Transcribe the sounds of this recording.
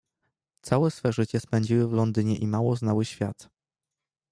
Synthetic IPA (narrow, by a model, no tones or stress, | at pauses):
t̪sawɛsfɛʐɘt͡ɕɛspɛɲd͡ʑiwɘvlɔnd̪ɘɲɛʔimawɔznawɘɕfʲja̰t̪